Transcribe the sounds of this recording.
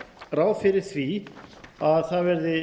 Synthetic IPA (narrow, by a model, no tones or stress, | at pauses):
raːwfɪɾɪɾ̥θvi | aðθaðvɛɾðɪ